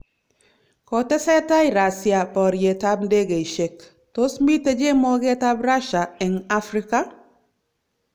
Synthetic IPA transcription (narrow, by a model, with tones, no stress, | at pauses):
kɔ˨tɛ˦sɛ˦ta˦i˨ɾa˨sja˨pɔ˨ɾje˨ta˦bnde˦ɡe˨i˨ʃe˨k | to˦smi˦te˦d͡ʒe˦mɔ˦ɡe˦ta˦bɾa˦ʃa˨ɛ˨ŋa˦fɾɪ˦ka˦